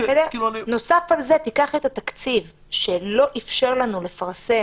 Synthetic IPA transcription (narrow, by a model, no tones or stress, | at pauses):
deno̞safalzet̪ikaχet̪at̪akt͡siv | ʃe̞lo̞ʔifʃe̞ʁlanule̞faʁse̞